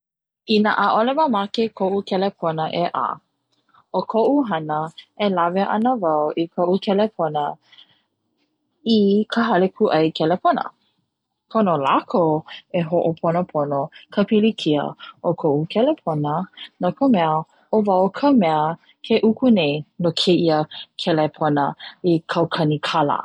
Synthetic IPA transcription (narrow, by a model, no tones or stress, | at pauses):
inəʔaʔolemamakekʰoʔukʰɛlepʰonəʔeʔa̰ː | okʰoʔuɦɐnəʔelaveʔɐ̰nəvɐwikʰoʔukʰɛlepʰonə | ikʰəɦɐlekʰuʔɐjkʰɛlepʰonə̰ | kʰonolakʰoeɦoʔopʰonəpʰonokʰəpilikʰiə̰ʔokʰoʔukʰɛlepʰonənokʰəmɛə | ovɐwkʰəmɛə | kʰeʔukʰunejnokʰeʔiəkʰɛlepʰonəikʰɐwkʰɐnikʰɐlə̰